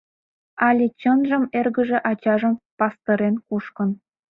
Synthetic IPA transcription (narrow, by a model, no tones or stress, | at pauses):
ɑlʲet͡ɕɤ̆nʒɤ̆merɡə̆ʒĕʔɑt͡ɕɑʒɤ̆mpɑst̪oɾʲenkuʃkɤ̆n